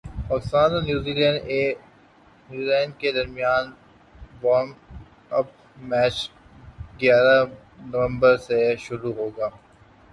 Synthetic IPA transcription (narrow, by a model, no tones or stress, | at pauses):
ɔːsaːnonjuːziːlɛ̃ːɳɖeː | njuːziːlɛ̃ːɳɖ̚ked̪ɐɾmijaːn | ʋɔːn | ɐp̚ | mɛːt͡ʃ | ɡjaːɾa | nɐʋə̃mbəɾseʃʊɾuɦoːɡaː